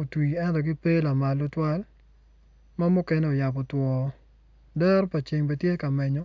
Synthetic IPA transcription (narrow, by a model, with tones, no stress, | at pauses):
o˨twi˨ɛ˦ntɔ˨ɡɪ˦pe˦la˨ma˨lo˦twa˦l | ma˦mu˦kɛ˦nɛ˦o˨ja˨pɔ˨twɔ˨ | dɛ˦ɾpa˨t͡ʃɪ˨ŋbe˨tje˦ka˨mɛ˨ɲɔ˨˦